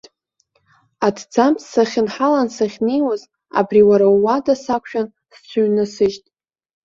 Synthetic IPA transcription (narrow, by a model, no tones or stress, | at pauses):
adʰd͡zampsaχʲɪnħalansaχʲnejwaz | a̰briwaɾawːadasakʷʰʃᶣan | st͡sʷʰaɥnasɨʒtʼ